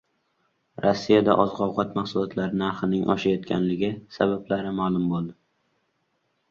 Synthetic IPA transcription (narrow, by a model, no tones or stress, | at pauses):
ɾɒsːijad̪a̰ʔɒzʁɒwʁɑt̪maχsʊlˠɒt̪ʰlaɾɪnaɾχɪnɪŋʔɒ̰ʃajɒt̪kʲʰa̰nlɪɡʲɪsabablaɾɪmaːlˠʊmbolˠd̪ɪ